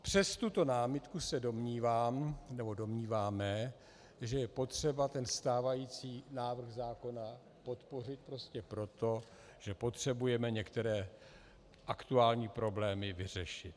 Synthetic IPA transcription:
pr̝̥ɛst̪ut̪o̞naːmɪt̪kusɛdo̞mɲiːvaːmnɛbo̞do̞mɲiːvaːmɛ | ʒɛjɛpo̞t̪r̝̥ɛbat̪ɛnst̪aːvajiːt͡siːnaːvr̩ɣzaːko̞na | po̞t̪po̞r̝ɪt̪̚pɾo̞scɛpɾo̞t̪o̞ | ʒ̥ɛpo̞t̪r̥ɛbujɛmɛɲɛkt̪ɛɾɛː | ʔakt̪uaːlɲiːpɾo̞blɛːmɪvɪr̝ɛʃɪt̪̚

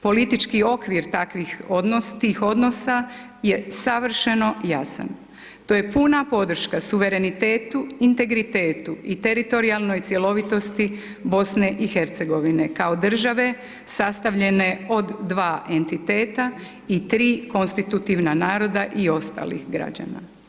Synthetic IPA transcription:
po̞lit̪it͡ʃkio̞kʋiɾt̪akʋixod̪nost̪iːxo̞d̪no̞sa | je̞saʋr̩ʃe̞no̞jasa̰n | t̪o̞ːje̞punapo̞d̪r̩ʃkasuʋe̞ɾe̞nit̪eːt̪uint̪e̞ɡɾit̪eːt̪uʔit̪e̞ɾit̪o̞ɾialˠno̞jt̪sje̞lo̞ʋit̪o̞st̪i | bo̞sne̞ʔixe̞ɾt̪se̞ɡo̞ʋine̞kao̞d̪r̩ʒaʋe̞ | sast̪aʋʎe̞ne̞o̞d̪ːʋaːʔe̞nt̪it̪e̞ːt̪a | it̪ɾiːko̞nst̪it̪ut̪iʋnanaːɾo̞d̪aʔio̞st̪a̰ːlḭxɡɾa̰d͡ʑa̰na̰

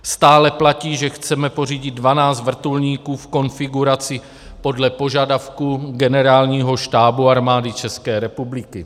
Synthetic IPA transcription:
st̪aːlɛplaciːʒɛxt͡sɛmɛpo̞r̝iːɟɪd̪̚dvanaːt͡st̪vr̩t̪ulɲiːkuːfko̞nfɪɡuɾat͡sɪ | po̞dlɛpoʒadafkuɡɛnɛɾaːlɲiːɦo̞ʃt̪aːbuaɾmaːdɪt͡ʃɛskɛːɾɛpublɪkɪ

